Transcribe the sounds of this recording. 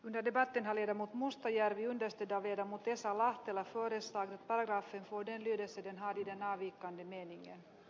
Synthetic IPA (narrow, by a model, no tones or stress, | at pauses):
ɵnd̪əɖɛbat̪ːənɦaɭeːd̪amuːt̪mʊst̪ajæɾvɪɵnd̪əʂt̪øːd̪avleːd̪amuːt̪̚d̪ɛsːalaht̪ɛlafœːɾəslɑːɡd̪at̪paɾaɡɾɑːfənfoːɖɛnlyːd̪əlsəd̪ɛnɦaɾɪd̪ɛnɑːviːkːand̪əmeːnɪŋə̰n